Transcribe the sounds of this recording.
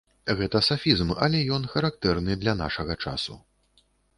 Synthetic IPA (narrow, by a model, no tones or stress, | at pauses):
ɣɛt̪ɐsafʲizmɐ̰lʲɛjɔnxɐɾak̚t̪ɛrnɨd̪lʲana̰ʂɐɣɐt͡ʂa̰sṵ